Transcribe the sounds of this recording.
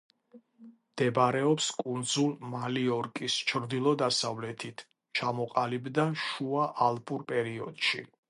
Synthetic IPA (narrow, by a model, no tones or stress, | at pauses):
md̪̥ɛbɾɛɔpskʼund̪zulˠmaliɔɾkʼist͡ʃʰɾd̪ilˠɔd̪asavlɛt̪ʰit̪ʰ | t͡ʃʰamɔqʼalibd̪aʃuaʔalˠpʼuɾpʼɛɾiɔ̰d̪̥ʃi